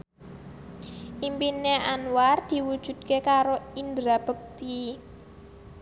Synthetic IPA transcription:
ʔimpineanward̪̥i̤wud̥ʒ̥ṳd̪̥̚kekaɾoind̪ɾab̥ə̤k̚t̪i

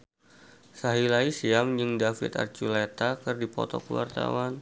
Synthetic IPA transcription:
saɦilaisiamd͡ʒɨŋdafḭt̪a̰rt͡ʃulet̪akɨrdipɔ̰t̪ɔkəwa̰rt̪a̰wan

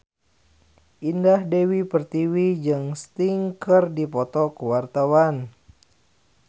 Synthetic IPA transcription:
ʔindahdewipərt̪iwid͡ʒɨŋst̪iŋkərdipɔt̪ɔkəwart̪awan

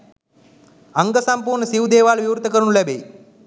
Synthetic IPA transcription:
aŋɡəsampuːrɳəsiʋud̪eːʋaːlʋiwɾut̪əkəɾunulæbej

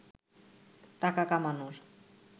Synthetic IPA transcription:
t̪akakamanuɾ

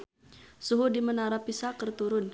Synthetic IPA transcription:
suɦudimənaɾapisakərt̪uɾʊn

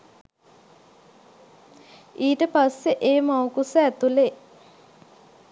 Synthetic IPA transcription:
iːʈəpasːeʔeːmawkusəæt̪ule

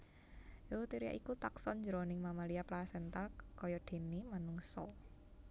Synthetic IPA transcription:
jot̪iɾia̰ʔikut̪aksɔnɲd͡ʒəɾɔnɪŋmamaliaplasɛnt̪alkɔjɔɖ̪̥e̤nimanuŋsɔ

